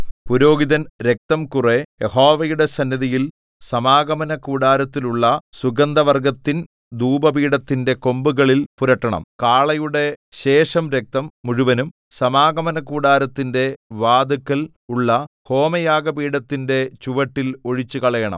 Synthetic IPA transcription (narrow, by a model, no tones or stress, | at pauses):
puɾo̞ːɡiðɐnɾe̞k̚t̪ɐmkurejeho̞ːʋɐjuɽe̞sɐnjɐðijil | sɐmaːɡɐmɐnɐkuːɽaːɾɐt̪ːiluɭːɐsuɡɐnd̪ɐʋɐrɡɐt̪ːin | d̪uːbɐbiːɽɐt̪ːinde̞ko̞mbuɣɐɭilpuɾɐʈːɐɳɐ̰mkaːɭɐjuɽe̞ɕe̞ːʂɐmɾe̞k̚t̪ɐmːuɻuʋɐnum | sɐmaːɡɐmɐnɐkuːɽaːɾɐt̪ːinde̞ʋaːd̪ɐkːɐl | uɭːɐho̞ːmɐjaːɡɐbiːɽɐt̪ːinde̞t͡ɕuʋɐʈːilo̞ɻit͡ɕːukɐɭɐjɐɳɐ̰m